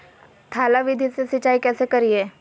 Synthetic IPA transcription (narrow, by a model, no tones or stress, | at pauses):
t̪ʰaːlaʋɪd̪ʱisesət͡ʃːaːikɛːsekɐɾieː